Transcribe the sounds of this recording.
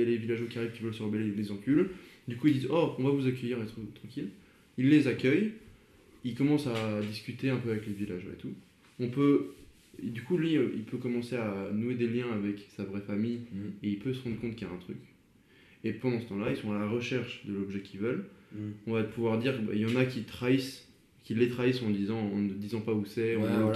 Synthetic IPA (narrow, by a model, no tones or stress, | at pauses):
alevilaʒokʲiaʁivkʲivœlsəʁəbɛlelezɑ̃kʲyld̪ykuild̪izɔɔ̃vavuzak̬ʲœjiʁɛt̪χət̪χɑ̃kʲil | ilːezakʲœj | ilkɔmɑ̃sad̪iskʲyt̪eɛ̃pøavɛklevilaʒo̰ḛt̪u | ɔ̃pø | d̪ykulɥiʔḭlpøkɔmɑ̃seanued̪eljɛ̃avɛksavʁɛfamijeilpøsəʁɑ̃d̪ʁəkɔ̃t̪̚kʲijaɛ̃t̪χyk | epɑ̃d̪ɑ̃sə̥t̪ɑ̃lailsɔ̃alaʁəʃɛʁʃd̪əlɔbʒɛkʲʰivœlɔ̃vapuvwaʁd̪iʁba̰jɑ̃nakʲit̪χais | kʲilːet̪χaisɑ̃d̪izɑ̃ɑ̃nəd̪izɑ̃pausɛɔ̃a